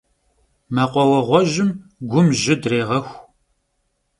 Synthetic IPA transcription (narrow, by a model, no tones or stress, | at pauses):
maqʷɔwɐʁʷɔʒɪmɡʷʊmʒɪdreːʁɐxʷ